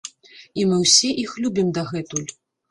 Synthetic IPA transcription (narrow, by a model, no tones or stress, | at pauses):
imɨwsʲɛʔixlʲubʲimd̪ɐɣɛt̪ulʲ